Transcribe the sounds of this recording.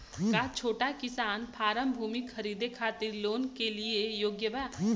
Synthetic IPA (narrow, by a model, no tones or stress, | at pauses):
kat͡ʃʰoːʈakɪsaːnpʰaːɾəmbʱuːmikxʰɐɾiːd̪ekʰaːt̪ɪɾloːnkeliejoːɡjəʋaː